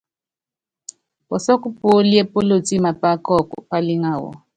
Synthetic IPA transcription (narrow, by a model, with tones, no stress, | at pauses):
pɔ˨sɔ˦ku˦po˦li˦e˦po˦lo˦˨t͡sʼi˦ma˨pa˦kɔ˦˨kɔ̰˨pa˦li˦ŋaː˨wɔ̰˨